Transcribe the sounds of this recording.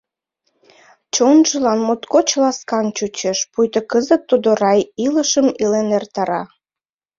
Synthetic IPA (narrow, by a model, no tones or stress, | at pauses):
t͡ɕonʒəlɑnmot̪kot͡ɕlɑskɑnt͡ɕut͡ɕeʃpujt̪əkəzət̪ːud̪oɾɑjiləʃəmilenert̪ɑɾɑ